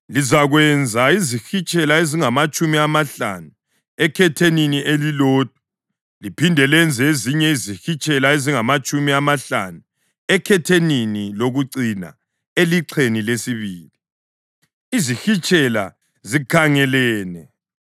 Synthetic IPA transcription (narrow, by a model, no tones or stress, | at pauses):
lizaɣwɛnd͡zʱaizixit͡ʃʼɛlaeziŋamat͡ʃʼumiamaɬa̰nu | ɛkʰɛtʰeninielilɔːd̥̚ʱu̥ | lipʰindʱɛlɛnd͡zʱeziɲɛizixit͡ʃʼɛlaeziŋamat͡ʃʼumiamaɬa̰nu | ɛkʰɛtʰeniniloɣuǀina̰ | eliǀʰenilesiβiːli | izixit͡ʃʼɛla̰ | zikʰaŋɛlɛːnɛ